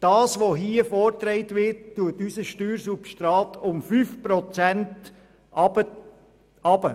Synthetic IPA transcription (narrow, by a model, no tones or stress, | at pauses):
d̥ɑːsʋoɦiəfɔːrtɾɛɪtʋɪɾtːuətysəʃtyːɾsupʃtɾɑːtʰʊmfyːfpɾɔt͡sɛnt | bə | ɑb̥ə